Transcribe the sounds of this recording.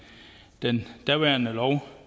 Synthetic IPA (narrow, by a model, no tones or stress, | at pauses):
d̥end̥æʋæɐnəlɒʊ